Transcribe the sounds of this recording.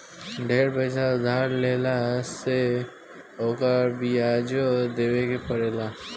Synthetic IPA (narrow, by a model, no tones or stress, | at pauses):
ɖʱeːɾbəsad̪ʱaːɾleːlase | oːkəɾbiad͡ʒod̪eːwekepəɾeːla